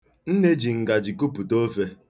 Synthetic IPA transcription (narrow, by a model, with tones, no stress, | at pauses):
n̩˦ne˦d͡ʒi˨ŋ̩˨ɡa˨d͡ʒi˨ku˦pu˨to˦fe˦